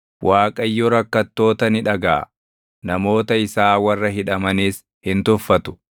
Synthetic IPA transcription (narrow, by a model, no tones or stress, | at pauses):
wʔaːkʼɐjːɔɾɐkːɐt̪ːo̞ːt̪ɐnɪᶑɐɡa̰ː | nɐmo̞ːt̪ɐɪsaːwɐrːɐɦɪᶑɐmɐniːs | hɪnt̪ʊfːɐt̪ʊ̥